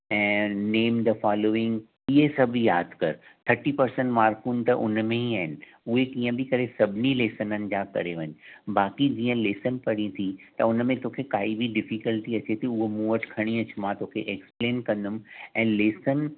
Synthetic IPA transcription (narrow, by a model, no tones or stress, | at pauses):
ɛ̃ːneːmd̪əfaːloːɪ̃ŋɡ | ɪɦesɐbʱjaːd̪ʱkɐɾt̪ʰɐɾʈipɐɾsə̃ɳʈmaːɾfuːnt̪ɐʔʊ̰nmẽɦiaːɦɪnɪ̆ | ʊɦekĩːə̃bʱɪkɐɾesɐbʱɪnileːsənənɪ̆d͡ʑakɐ̰ɾeʋɐ̃ɲbaːkid͡ʑiːə̃leːsənpɐɽ̃ĩt̪ʰit̪ɐʊnmẽt̪oːkʰekaːibʱiɖɪfikəlʈiɐt͡ɕet̪ʰiʊɦomuːəʈkʰɐɽ̃iɐt͡ɕmãt̪oːkʰḛʔekspleːnkɐ̃nd̪ʊmɛ̃ːleːsən